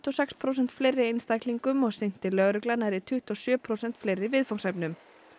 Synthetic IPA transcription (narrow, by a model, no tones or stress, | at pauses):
t̪ɔsɛkspʰɾoːwsɛn̥t̪flejrːɪejnst̪ajkliŋkʏmɔɣsɪjn̥t̪ɪlœɣɾʏklanaɾɪt̪ʰʏht̪ɔsjœːpʰɾowsɛn̥t̪fleːjrːɪvɪðfɔwŋsajpnʏm